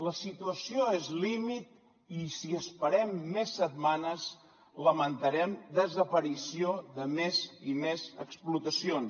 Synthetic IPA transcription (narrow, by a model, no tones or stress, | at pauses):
ləsit̪uəsioezlimit̪̚ | isiəspəɾɛmːesːət̪̚manəz | ləmənt̪əɾɛmd̪əzəpəɾisioðəmezimezə̰ksplut̪əsion